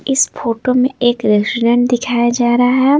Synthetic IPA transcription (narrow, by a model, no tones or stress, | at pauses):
ɪsfoːʈomẽʔeːkɾesʈɾə̃ɳʈ̚d̪ɪkʰaːjad͡ʒaːɾaɦɛː